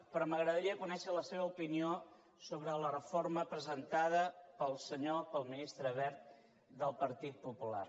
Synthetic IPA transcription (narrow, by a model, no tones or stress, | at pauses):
pɾɔməɣɾəðəɾiəkunɛʃələseβəupinio | soβɾələrəforməpɾəzənt̪aðəpəlˠsəɲopəlˠminist̪ɾəβɛɾt̪̚ | d̪əlˠpəɾt̪it̪̚pupula̰r